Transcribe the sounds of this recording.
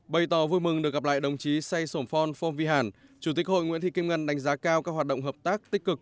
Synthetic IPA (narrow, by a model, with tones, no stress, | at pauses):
ɓə˨˩jt̪ɔ˨˩vu˧jmɨ˨˩ŋɗɨ˨˩ək̚ɣa˨˩p̚la̰ː˧˨jɗə˨˩wŋ͡mt͡ɕi˨˦sa˧jso˧˩mfɔ˧nfɔ˧nvi˧ɦaː˧˩nt͡ɕu˧˩t̪i˨˦˥k̚ho̰˧˨jŋw̰ənt̪ʰi˧˨ki˧ŋ͡mŋə˧˩nɗa˨˦jŋ̟zaː˨˦kaː˧wkaː˦˥k̚hwaː˨˩t̚ɗə̰˧˨ŋ͡mɦəː˨˩p̚t̪aː˦˥k̚t̪ï˦˥k̟̚kɨ˨˩k̚